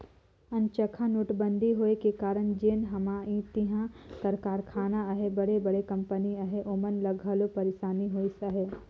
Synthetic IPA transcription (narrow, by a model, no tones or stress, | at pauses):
ɐ̃nt͡ʃəkʰanuʈbə̃nd̪ʱiɦoːekekaːɾəɳ̃d͡ʒeːnɦɐmaːĩt̪iɦãt̪ɐɾkaːɾkʰaːnaɐɦebɐɽebɐɽekɐ̃mpəniɐɦeʔoːmənlɐɡʱəlopɐɾeʃaːniɦoːisəɦe